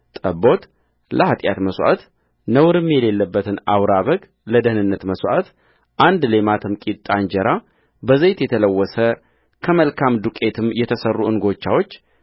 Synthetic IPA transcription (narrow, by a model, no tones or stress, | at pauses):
t̪ʼəbo̞t̪ | ləhat̪ʼjat̪məswʔa̰t̪ | nəwɾɨmːjɛle̞lːəbːət̪ʰɨnawɾaβəɡ | ləd̪əhɨnɨnːət̪məsʷʔat̪ | ʔand̪le̞mat̪ʰɨmkʼit̪t̪ʼːand͡ʒɛɾa | bəzejt̪jɛt̪ʰələwːɔsə | kʰəməlkʰamd̪ukʼe̞t̪ʰɨmjɛt̪ʰəsərːuɨnɡo̞t͡ʃːawo̞t͡ʃː